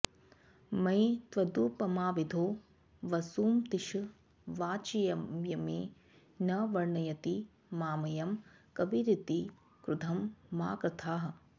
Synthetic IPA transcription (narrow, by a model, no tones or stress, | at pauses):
mɐjt̪ʋɐd̪uːpɐmaːʋid̪ʱoː | ʋɐsuːmt̪iʃu | ʋaːt͡ʃɐjɐjɐmeː | nɐʋɐɾɳɐjɐt̪i | maːmɐjɐmkɐbiɾit̪i | kɾud̪ʱɐmːa̰ːkɾɐt̪ʰaːɦɐ̆